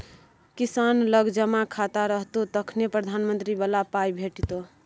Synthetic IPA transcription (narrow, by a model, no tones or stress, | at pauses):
kisanləɡd͡ʒəmakʰat̪aɾəɦt̪ot̪əkʰnepɾəd̪ʱanmənt̪ɾibəlapajbʱeʈit̪o